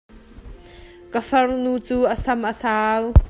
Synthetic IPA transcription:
kəfɐrnut͡suːʔəsɐmʔəsaːw

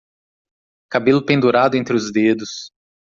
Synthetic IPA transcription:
kabelʊpẽnd̪uɾad̪ʊẽnt̪ɾɪʊzd̪ed̪ʊs

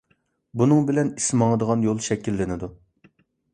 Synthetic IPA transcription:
bunɨŋbɪlɛnismɑŋəd̪əʁɑnjolˠʃɛkʲːilːɪnɪd̪u

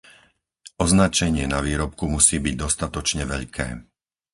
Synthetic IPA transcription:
ɔznat͡ʃɛɲɪɛnaʋiːɾɔp̚kumusiːbiɟ̚d̪ɔst̪at̪ɔt͡ʃɲɛʋɛʎkʰɛ̰ː

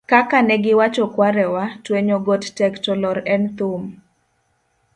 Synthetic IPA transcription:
kakanɛɡɪwat͡ʃɔkwaɾɛwatweɲoɡɔttɛktɔlɔɾɛnt̪ʊm

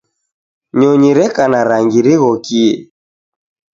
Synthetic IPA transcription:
ɲɔɲiɾɛkanaɾaŋɡiɾiɣɔkiɛ

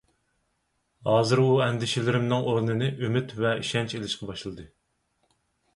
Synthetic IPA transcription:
hɑːzɨɾuɛnd̪ɪʃɪlɪɾɪmnɨŋʔoɾnɨnɨʔømɪt̪vɛiʃɛnt͡ʃelɪʃqʰɑbɑʃlˠɨd̪ɨ

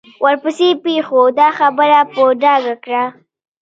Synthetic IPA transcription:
wʔaɾpəsepexod̪ɑxabəɾapəɖɑɡakɽa

